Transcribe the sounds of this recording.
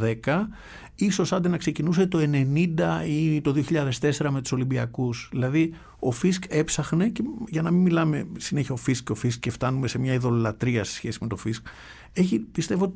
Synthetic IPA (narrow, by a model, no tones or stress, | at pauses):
ðe̞kɐ | iso̞sɐnd̪enɐkse̞cinus̬e̞t̪o̞e̞ne̞nind̪ɐit̪o̞ðioçiʎɐðe̞st̪e̞se̞ɾɐme̞t̪u̥so̞limbiɐkusðilɐði | o̞fiske̞psɐxne̞ceʝɐnɐmimilɐme̞sineçiɐofiskco̞fiskce̞ft̪ɐnume̞se̞mɲɐiðo̞lɐt̪ɾiɐst̪e̥sçe̞sime̞t̪o̞fisk | eçipist̪e̞voot̪